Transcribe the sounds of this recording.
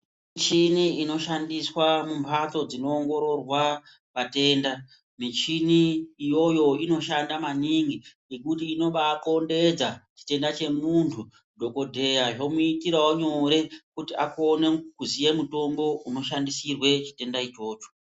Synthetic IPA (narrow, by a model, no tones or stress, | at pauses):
mit͡ʃiniino̞ʃandiswamumpʰato̞d͡zino̞ːŋɡo̞ɾo̞rwa | ʋate̞ːnda | mit͡ʃiniːjo̞jo̞ino̞ʃandamaniŋɡinekutiːno̞ɓaːkonde̞d͡zat͡ʃi̥te̞ndat͡ʃe̞muntʰu | dʱo̞ko̞dʱe̞jaʐo̞muitirawoɲo̞ɾe̞kutiakonekuzije̞muto̞mbo̞ʔuno̞ʃandisirwe̞t͡ʃi̥te̞ndait͡ʃo̞ːt͡ʃo̥